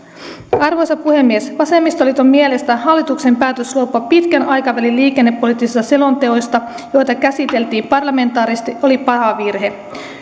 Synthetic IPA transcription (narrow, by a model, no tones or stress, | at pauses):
ɑrʋo̞jsɑpuhe̞mːiesʋɑse̞mːist̪olit̪ommie̞le̞st̪æhɑlːit̪ukse̞mpæːt̪øsluopːɑpit̪kænɑjkɑʋælilliːk̟e̞nːe̞pːo̞lit̪ːisist̪ɑse̞lo̞nt̪e̞o̞jst̪ɑ | jo̞jt̪ɑkæsit̪e̞lt̪iːmpɑrlɑme̞nt̪ɑːɾist̪iʔo̞lipɑɦɑʋirɦe̞